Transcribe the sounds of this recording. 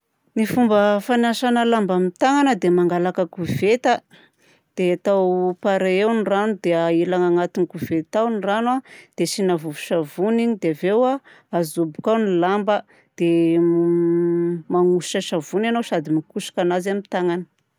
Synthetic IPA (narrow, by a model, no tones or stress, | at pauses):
nifumbəfanaʃanəlambamit̪aŋanəd̪emaŋɡalakəkuvet̪a | d̪̥eat̪awpaɾeewniranud̪eailaŋaŋat̪inikuvet̪awniranwad̪̥eʃinavuvuʃavuniɲid̪evewa | azubu̥kawnilambə | d̪̥e | maŋusi̥ʃaʃavunanowʃad̪imikuʃḁkanazeamit̪aŋanə̥